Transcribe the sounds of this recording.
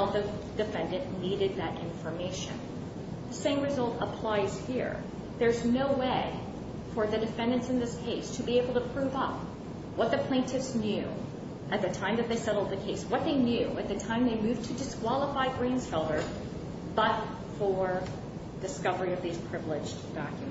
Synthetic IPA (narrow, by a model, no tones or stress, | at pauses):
lˠðɨ | d̥ɨfɛ̃ndɨ̃nniɾɨd̪̚ðɨɾʔɪ̃ɱfə˞meɪʃɨ̰̃n | ðɨsẽɪ̃mɹɨzʌlˠtəpʰl̥aɪz̥hḭɹ | ðə˞znoʊweɪ | fə˞ðɨdɨfɛ̃ndɨ̃nsɨ̃nðɪskʰeɪstʰɨbieɪbl̩ˠtʰɨpʰɹ̥ʉvʌp̚ | wʌt̪̚ðɨpʰl̥ẽɪ̃ntʰɨfsnjʉ | ʔɨt̪̚ðɨtʰãɪ̃mðɨt̪̚ðeɪsɛɾl̩ˠd̪̚ðɨkʰeɪswʌt̪̚ðeɪnjʉɨt̪̚ðɨtʰãɪ̃mðeɪmʉvtʰɨdɨskwɑlˠəfaɪɡɹẽɪ̃nz̥fɛlˠə˞ | bʌt | fə˞ | dɨskʌvə˞iʌvðiz̥pʰɹ̥ɪvlɪd͡ʒ | d̥ɑkjm